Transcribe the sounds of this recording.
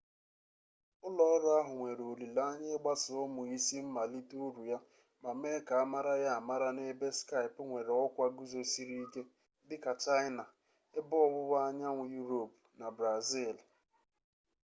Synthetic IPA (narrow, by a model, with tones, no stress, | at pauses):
ʊ˦lɔ˦ɾa˦ɦʊ˨ŋʷe˨ɾo˨li˨la˦ɲɪ˦ɡ͡ba˦sʊ˦mʊ˨i˦si˦m̩˦ma˨li˦tu˦ɾu˨ja˦ | ba˨me˦ka˨a˦ma˦ɾa˦ja˦a˨ma˦ɾa˦ne˦be˦ska˦ɪ˨pŋʷe˨ɾe˨ɔ˦kʷa˦ɡu˦zo˦si˦ɾi˦i˦ke˦ | dɪ˦ka˨t͡ʃa˦jɪ˦na˨ | e˦bʊ˦ɔ˦bʊ˦βa˦a˦ɲa˦ŋʷʊ˨ju˦ɾo˨pʊ˨na˨bɾa˨zi˦˨l